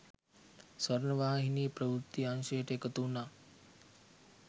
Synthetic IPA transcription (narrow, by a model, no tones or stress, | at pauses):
sʋəɾnəʋaːɦiniːpɾəʋɾut̪ːianʃəjəʈəekət̪una